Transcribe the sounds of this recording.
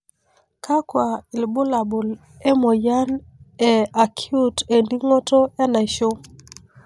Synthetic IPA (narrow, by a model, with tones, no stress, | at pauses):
ka˦kwa˨ɪ˨lbʊ˦la˨bo˨l | ɛ˦mɔ˨ja˦nɛ˨a˨kʰi˦u˦te˨ndi˦ŋɔ˦tɔ˦ɛ˦na˨ʃo˦